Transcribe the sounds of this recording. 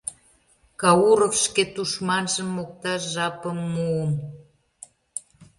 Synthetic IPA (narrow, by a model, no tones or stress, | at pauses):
kɑuɾofʃket̪uʃmɑnʒə̆mːok̚t̪ɑʃʒɑpəmːuəm